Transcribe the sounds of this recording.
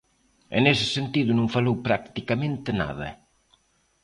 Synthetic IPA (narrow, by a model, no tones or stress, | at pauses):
ḛnesɪ̥sent̪iðʊnõŋfalowpɾakt̪ikamẽnt̪ɪna̰ðɐ̰